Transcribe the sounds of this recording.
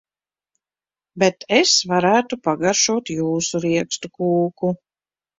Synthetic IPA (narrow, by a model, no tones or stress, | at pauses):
bet̪ʰesvaɾæːt̪upaɡaɾʃuɔt̪juːsuɾiɛkst̪ukuːku